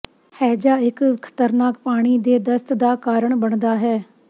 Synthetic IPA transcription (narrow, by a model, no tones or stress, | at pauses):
hɛːd͡ʒaːɪkkʰə̥t̪əɾnaːkpaːɽ̃iːd̪eːd̪əst̪d̪aːkaːɾəɳbəɳd̪aːɦɛː